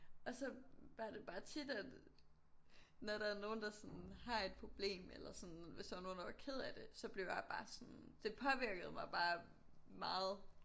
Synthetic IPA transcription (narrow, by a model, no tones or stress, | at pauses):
ʔɒ̽sɒ̽ʋɑd̥e̝b̥ɑ̈ːt͡sʰid̥æd̥ | nɒɾ̥ɑæɐno̝ːn̩d̥ɑ̈sɒ̽nhɑ̈e̝d̥̚pʰʁo̝b̥le̝̰ːmelɐsɔ̽nʋe̝sd̥ɑʋɑno̝ːnd̥ɑʋɑ̈kʰeð̞̰ˠæd̥e̝sɒ̽b̥le̝ʊjaɪb̥ɑ̈ːsɔnd̥e̝pʰɒ̽ʋiɐɡ̥əð̞̩ˠmɑ̈ɪb̥ɑ̈ː | mɑ̈ːð̩ˠ